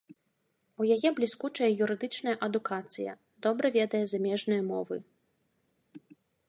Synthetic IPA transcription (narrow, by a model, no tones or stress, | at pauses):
ujajɛblʲiskut͡ʂɐjɐjuɾɨd̪ɨt͡ʂnɐjɐʔɐd̪ukat̪sɨjɐ̰ | d̪̥ɔbɾɐvʲɛd̪ɐjɛzamʲɛʐnɨjɐmɔvɨ